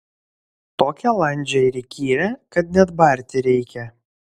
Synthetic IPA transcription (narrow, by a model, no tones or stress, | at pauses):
t̪oːkʲɛlˠɐnʲd͡ʒʲɛɪɾʲikʲiːɾʲɛkɐt̪nʲɛd̪bɐˑɾʲt̪ʲɪɾʲɛɪkʲɛ